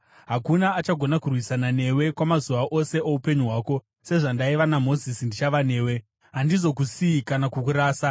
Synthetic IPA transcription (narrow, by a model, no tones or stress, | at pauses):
ɦakunaːt͡ʃaɡʱo̞nakurwisanane̞we̞kwamazuʋaʔo̞se̞ʔoupeɲuɦwaːko̞ | se̞ʐandaiʋanamo̞zisindit͡ʃaʋane̞ːwe̞ | ɦandizo̞kusiːkanakukuɾaːsa